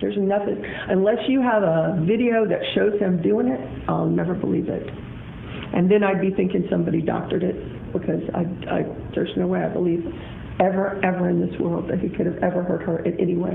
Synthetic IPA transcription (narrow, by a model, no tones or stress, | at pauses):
ðə˞zɨnʌθɪ̰̃ŋ | ʔɨ̃nlɛsjɨəvəvɪɾioʊðɨtʃoʊz̥ɨ̃mdʉɪ̃ŋɪt | ʔaɪlˠnɛvə˞bə̰livɪ̰t | ʔɨ̃nðɨ̃naɪd̚biθɪ̃ŋkɪ̃ŋsʌ̃mbɑɾidɑ̰k̚tə˞ɾɪt̚ | b̥ɨkʰʌza̰ɪa̰ɪ | də˞z̃noʊweɪaɪbəliv | ɛvə˞ʔɛvə˞ɨ̃nðɪswɜ̰˞lˠd̪̚ðɨt̚hikʰʊɾɨvɛvə˞hɜ˞d̚ə˞ʔɨ̃nɛ̰niweɪ